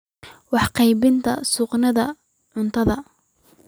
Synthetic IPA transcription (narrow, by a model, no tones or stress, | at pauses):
wɑħqɑjbɪnt̪ʰɐ̰sʊqnɐðɐ | ʕʊnt̪ʰɐðɐ